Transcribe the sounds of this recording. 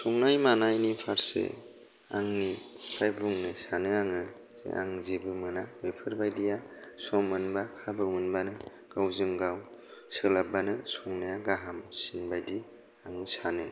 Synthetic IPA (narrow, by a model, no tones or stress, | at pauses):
sɔŋnajmanajnipʰaɾsḛ | a̰ŋnipʰajbuŋnɯsanɯaŋɯ | zḛʔa̰ŋzibɯmɯnabepʰɯɾbajdijasɔmːɯnbakʰabɯmɯnbanɯ | ɡ̥awzɯŋɡawsɯlabanɯsɔŋnajaɡaɦamsinbajdi | aŋɯsanɯ